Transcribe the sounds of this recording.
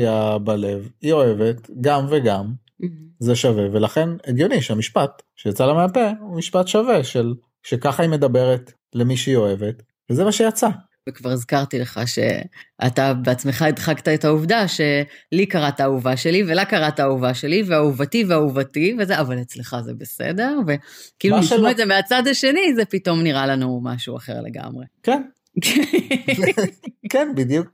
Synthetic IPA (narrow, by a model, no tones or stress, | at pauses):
iabale̞vio̞e̞ve̞t̪ɡamveɡam | zeʃave̞ve̞laχe̞neɡjo̞niʃeamiʃpat̪ʃejat͡salemeape̞umiʃpatʃave̞ʃel | ʃekaχaime̞d̪abe̞ʁet | le̞miʃeijo̞e̞ve̞t | vezemaʃejat͡sa | vekvaʁzkaʁt̪ileχa̰ʃe̞̰ʔa̰t̪abeat͡sme̞χaid̪χaɡt̪aetauvdaʃe̞likaʁatauvaʃe̞live̞lakaʁatauvaʃe̞liveauvativeauvativezeavalet͡sleχazḛbesḛde̞ʁve̞kiːluiuedzemeat͡sad̪aʃe̞nizepito̞mniʁalanuma̰ʃua̰χe̞̰ʁle̞̰ɡa̰mʁḛken | k | kenbid̪juk̚